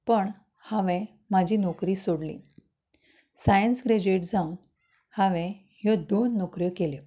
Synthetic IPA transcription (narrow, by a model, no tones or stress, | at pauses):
pəɳ | hãʋẽ | mad͡ʑʱiːnɔkɾiːsoɽlḭː | sajənsɡɾed͡ʑeʈd͡zaun | haʋẽ | jɔd̪onːɔkɾjəkeljə